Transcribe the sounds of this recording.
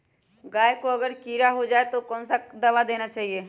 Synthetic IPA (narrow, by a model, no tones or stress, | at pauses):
ɡaːjkoɐɡəɾkiːɾaɦod͡ʒaːet̪okɔːnsad̪ɐʋad̪eːnat͡ʃaːɦieː